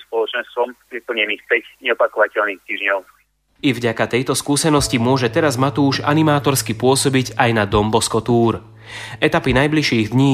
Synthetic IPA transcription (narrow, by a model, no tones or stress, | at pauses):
spɔlɔt͡ʃɛnst̪ʋɔmɾipl̩ɲɛniːxpɛcɲɛɔpakɔʋacɛʎniːxt̪iːʒɲɔʊ | ivɟakat̪ɛjt̪ɔskuːsɛnɔscimʊɔʒɛt̪ɛɾazmat̪uːʒanimaːt̪ɔɾskipʊɔsɔbiɟajnad̪ɔmbɔskɔt̪uːɾ | ʔɛt̪apinajbliʃiːɣd̪ɲiː